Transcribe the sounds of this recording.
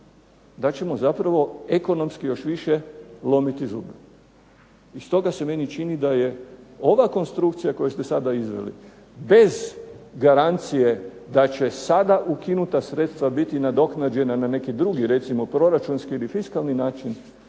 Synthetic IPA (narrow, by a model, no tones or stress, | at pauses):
d̪at͡ʃe̞mo̞zapɾaʋo̞eko̞no̞mskijo̞ʃʋiʃelˠo̞mit̪izṵːbe | ist̪o̞ɡase̞me̞nit͡ʃinid̪aje̞o̞ʋako̞nst̪ɾukt̪sijako̞jest̪e̞sad̪aizʋḛlḭ | be̞zɡaɾant̪sije̞d̪at͡ʃe̞sad̪aʔukinut̪asɾet̪st̪ʋabit̪inad̪o̞knad͡ʒe̞nanane̞kid̪ɾuɡiɾe̞t̪simo̞pɾo̞ɾat͡ʃunskiilifiskalˠninaːt͡ʃin